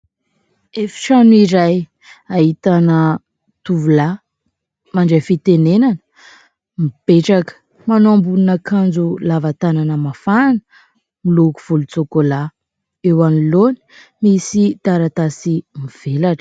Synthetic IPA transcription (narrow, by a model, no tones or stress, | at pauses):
efi̥ʈ͡ʂanuiɾaj | aɦit̪anə | t̪uvula | maɳɖ͡ʐafit̪enenan | mib̥eʈ͡ʂakə̥ | manoambuninakand͡zulavat̪ananəmafanə̥ | milukuv̥ulut͡sokola | ewaniloni̥ | misit̪aɾat̪asimiv̥elaʈ͡ʂə̥